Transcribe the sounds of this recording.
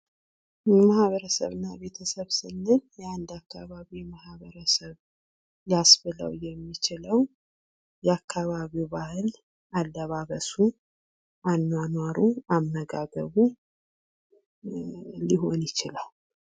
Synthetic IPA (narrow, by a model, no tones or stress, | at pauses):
jɛmahβəɾəsə̰βɨnːaβe̞t̪ʰəsəβsɨnːɨnjɛand̪akʰːaβaβimahβəɾəsəβ | jasbɨlə̰wjɛmːit͡ʃɪləw | jɛakʰːaβaβiwbahɨl | ʔalːəβaβəsu | ʔanːwanwaɾuamːəɡaɡəβu | lːiɦo̞njɪt͡ʃɪlal